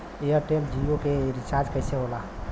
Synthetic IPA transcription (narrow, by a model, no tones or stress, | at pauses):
eəɾʈeld͡ʒiokeɾit͡ʃaɾd͡ʒkəjseɦola